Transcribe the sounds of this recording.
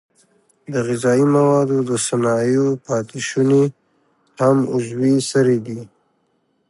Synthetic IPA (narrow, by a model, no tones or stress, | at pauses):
d̪əɣɪzɑimawɑd̪od̪əsanɑjopɑt̪ɪʃune | hamʊzwisaɾed̪i